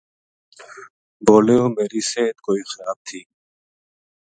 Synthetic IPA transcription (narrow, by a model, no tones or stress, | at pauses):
boːleːoːmeːɾiːseːt̪koːiːxəɾaːb̚t̪ʰiː